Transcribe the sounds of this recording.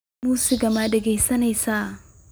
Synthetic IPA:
muːsiɡɐmadɪɡɐjsɐnɐjsaː

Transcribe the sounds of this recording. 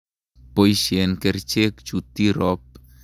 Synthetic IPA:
pojsienkeɾt͡ʃekt͡ʃut̪iɾɔp̚

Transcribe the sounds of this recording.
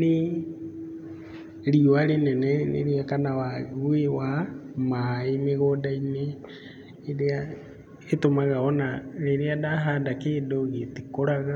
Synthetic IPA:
ne | ɾiwaɾenɛnɛnḛɾiakanawaɣwewamaeneɣɔdaine | eɾea | etomaɣaɔnaɾeɾeadaɦadakeːdoɣetikoɾaɣa

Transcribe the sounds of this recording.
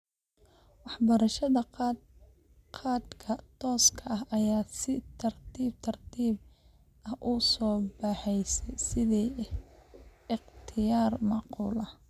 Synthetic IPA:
wɑħbɐɾɐʃɐðɐ | qʰɑːd̪kʰɐt̪ʰɔːskʰɐʔɐɦɐjaːsɪt̪ʰɐrt̪ʰiːb̚t̪ʰɐrt̪ʰiːb | ɐhʔʊsɔːbɑːħɛjsɛjsɪðiː | ɪqt̪ʰɪjaːrmɑːquːlɐ

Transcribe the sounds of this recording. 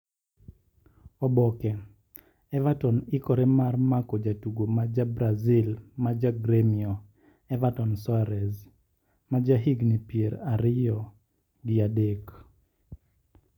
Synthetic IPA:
ɔbɔkɛ | ɛvatɔnɪkɔɾɛmarmakɔd͡ʒatuɡomad͡ʒabɾazilmad͡ʒaɡɾemiɔ | ɛvatɔnsɔaɾɛz | mad͡ʒaɦiɡnipjeɾaɾɪjɔ | ɡiadek

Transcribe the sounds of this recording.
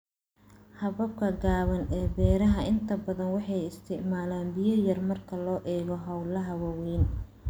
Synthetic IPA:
hɐβɐb̚kʰɐɡaːβɐnɛːbɛːɾɐɦɐʔɪnt̪ʰɐbɐðɐnwɑħɑjɪst̪ʰɪʕmaːlaːnbɪjɐjɐrmɐrkʰɐlɔːʔɛːɣɔɦɐwlɐɦɐwɐwɛːn

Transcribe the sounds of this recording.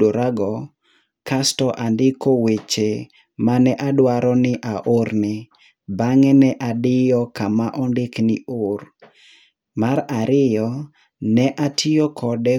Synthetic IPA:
oɾaɡɔ | kastɔʔandɪkɔwet͡ʃe | manɛʔadwaɾɔnɪʔaʔoɾnɪ | baŋɛnɛʔadɪjɔkamaʔɔndɪknɪʊr | maɾaɾɪjɔ | nɛʔatʰɪjɔkʰɔdɛ

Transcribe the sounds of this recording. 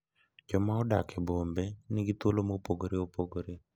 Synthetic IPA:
d͡ʒɔmaɔdakʰɛbombenɪɡɪt̪olomopoɡoɾeopoɡoɾe

